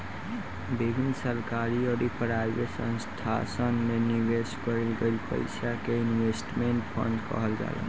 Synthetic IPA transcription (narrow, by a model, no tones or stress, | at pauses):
bibʱinːsəlkaɾioɾipʰəɾabesə̰̃nst̪ʰa̰sənmeniʋeskəɾilɡelpə̰ɪsakeinʋesʈmeɳʈpʰə̰ɳɖkə̰ɦəld͡ʒa̰ɡa̰